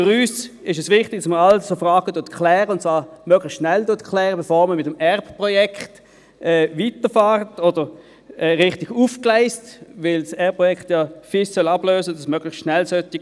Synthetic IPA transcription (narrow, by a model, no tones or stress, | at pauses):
fʏʁyːsɪʃɛsvɪχtɪɡ̥̚d̥asməalsofʁaːɡ̥əduːɐtkʰlɛːʁəʊntsvaːʁmøɡlɪχstʃnɛlduɐtkʰlɛːʁəbɛfoːʁməmɪtəmɛʁppʁɔjɛkχt | ɛːvitəfaːʁtodəʁ | ɛːʁɪχtɪɡ̥ufklaɪstvɪlsɛɐp̚pʁɔjɛkχtjafɪssœlɑb̥løːsədɑsmøɡ̥lɪχsʃnɛlsœtɪ